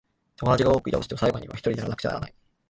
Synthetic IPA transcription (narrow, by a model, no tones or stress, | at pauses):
t̪o̞mod̪at͡ɕiɡao̞ːkɯ̟ḭt̪a̰toɕit̪esaiɡo̞ɲ̟iβa̰çi̥t̪o̞ɾid̪eaɾanakɯ̟̥t͡ɕa̰n̰ɾa̰nai